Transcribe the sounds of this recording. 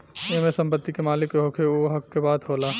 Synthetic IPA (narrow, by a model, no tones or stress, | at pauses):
emẽsɐ̃mpət̪ːikemaːlɪkɦokʰeoɦɐkːebaːd̪ɦoːlaː